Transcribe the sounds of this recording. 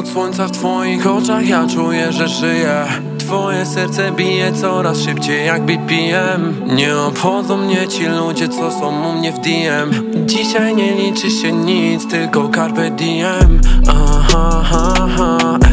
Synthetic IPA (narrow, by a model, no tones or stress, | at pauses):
t̪swɔɲʲt̪saft̪fɔjixɔt͡ʂaxjat͡ʂujɛʐɛʐɘjɛ | t̪fɔjɛsɛɾt̪sɛbʲijɛt̪sɔɾasʂɘpt͡ɕejːaɡ̚bipʲijɛm | ɲɛɔpxɔzɔ̃w̃mɲɛt͡ɕilud͡ʑɛt̪sɔsɔ̃w̃umɲɛvd̪ʲijɛm | d͡ʑiɕajɲɛlʲit͡ʂɘɕɛɲit̪st̪ɘlkɔkaɾpɛd̪ʲijɛmaɦaɦaɦa